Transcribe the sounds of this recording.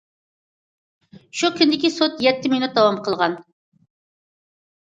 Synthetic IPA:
ʃukʲynd̪ɪkʲisot̪jɛt̪ʰːɪminut̪̚d̪ɑwɑmqʰəlˠʁɑn

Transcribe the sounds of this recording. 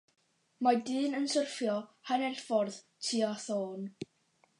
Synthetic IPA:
madɨːnənsərfjɔhanɛrfɔrð | tʰiaθoːn

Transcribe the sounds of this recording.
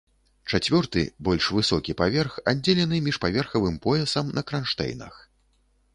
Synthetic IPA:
t͡ʂat͡sʲvʲɔrt̪ɨ̰bɔlʲʂvɨsɔkʲipavʲɛrxad͡zʲːelʲɛnɨmʲiʂpavʲɛrxɐvɨmpɔjɛsɐmnʔɐkɾanʂt̪ɛ̰jnɐ̰x

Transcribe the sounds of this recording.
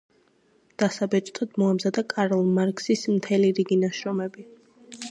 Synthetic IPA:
d̪̥asabɛt͡ʃʼt̪ʼɔd̪̥mɔamzad̪akʼaɾɔlˠmaɾkʼsismt̪ʰɛliɾiɡinaʃɾɔmɛbi

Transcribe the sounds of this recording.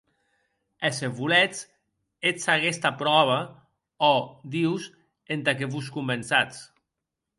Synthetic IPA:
eseβulɛt͡s | et͡saɣɛst̪apɾɔβ̞a | ɔd̪iws | ent̪ak̬eβuskumbensat͡s

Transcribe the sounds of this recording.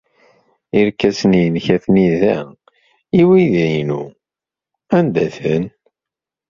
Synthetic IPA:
iɾkːæsnijənçæθniðæ | iwiðæjnu | ænd̪æθən

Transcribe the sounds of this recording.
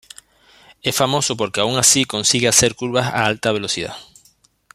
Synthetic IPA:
efamo̞sopoɾkeauŋasikõnsiɣeaseɾkuɾβasa̰alt̪aβ̞elosið̞a̰

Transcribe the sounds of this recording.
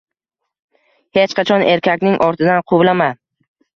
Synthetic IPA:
het͡ʃqʰɑt͡ʃʰɒne̞ɾkʲakʲnɪŋʔɒɾt̪ʰɪd̪anqʰʊwlama

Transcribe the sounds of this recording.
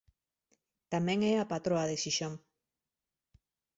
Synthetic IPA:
t̪amɛ̃ŋɛapat̪ɾoaðeʃiʃoŋ

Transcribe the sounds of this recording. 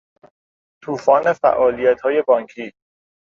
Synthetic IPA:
t̪ʰuːfɒːne̞fæ̰ʔɒːlijæt̪ʰhɒːje̞bɒːŋkʰiː

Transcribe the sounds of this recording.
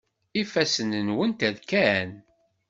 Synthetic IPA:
ifæsənənwənt̪æðkæn

